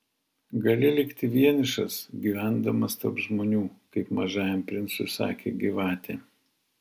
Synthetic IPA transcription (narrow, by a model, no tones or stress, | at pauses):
ɡɐlʲɪlʲɪkt̪ʲɪʋʲiɛnʲɪʃɐsɡʲiːʋʲæˑnd̪ɐmɐst̪ɐɾpʒmoːnʲuːkɐɪpmɐʒɑːjɛmpʲɾʲɪnt̪sʊsɑ̰ːkʲḛːɡʲiʋɑːt̪ʲeː